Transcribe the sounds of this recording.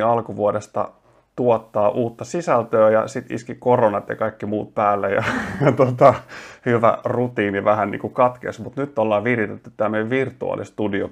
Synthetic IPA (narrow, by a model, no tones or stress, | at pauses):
ɑlkuʋuodest̪ɑ̰ | t̪uot̪ːɑːʔuːt̪ːɑsisælt̪øːjɑ̰sit̪ḭskikoronɑt̪jɑ̰kɑikːimuːt̪̚pæːlːejɑ̰jɑt̪ot̪ɑhyʋæ̰rut̪iːniʋæhænnḭːŋkukɑt̪kḛsmut̪nyt̪ːolːɑːʋirjit̪et̪ːy̥t̪ːæːmeʋirt̪uɑ̰ːlḭst̪udio̰